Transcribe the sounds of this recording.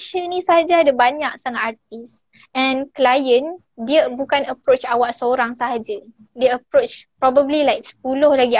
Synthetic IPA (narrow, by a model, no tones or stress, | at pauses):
ʃənĩsaɦad͡ʒaadabaɲak̚saŋat̪at̪̚is | ɛ̃nklajən | diəbukanəpɾot͡ʃawaʔsəoɾaŋsaɦad͡ʒa | deəpɾot͡ʃpɾɔbəblilajk̚sə̥p̚ulʊhlaɡi